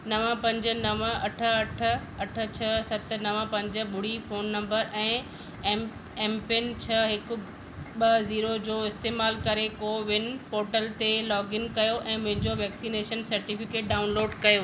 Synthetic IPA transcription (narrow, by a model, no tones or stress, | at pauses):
nɐʋə̃pɐ̃ɲd͡ʑə̆nɐʋə̃ɐʈʰə̆ɐʈʰə̆ | ɐʈʰə̆t͡ɕʰɐsɐt̪̆ʰnɐʋə̃pɐ̃ɲd͡ʑə̆ɓʊɽ̤ifoːnːɐ̃mbəɾɛ̃ː | ɛ̃ːmpɪnt͡ɕʰɐɦɪkʊ̆ | ɓɐziːɾod͡ʑoːɪst̪eːmaːlkɐɾekoʋɪnɪ̆poːɾʈəlt̪elɔːɡɪnkɐjoʔɛ̃ːmʊ̃ɦɪ̃ɲd͡ʑoʋɛːksineːʃənsɐɾʈifɪkeːʈ̚ɖaːʊnloːɖkɐjo